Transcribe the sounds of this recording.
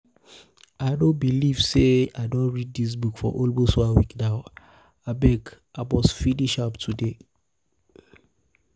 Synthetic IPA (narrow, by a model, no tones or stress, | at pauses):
aɪdõbiliv̥seaɪdõnɹid̚dis̬bukfɔʔolbosoawikdaʊ | abɛk | abɔsfidiʃaptʰude